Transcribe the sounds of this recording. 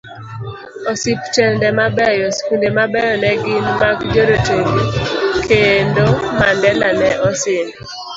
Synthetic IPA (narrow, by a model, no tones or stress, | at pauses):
ɔsipt͡ʃɛndɛmabɛjɔskundemabɛjɔnɛɡɪnbakd͡ʒoɾoteŋikendomandɛlanɛʔɔsɪn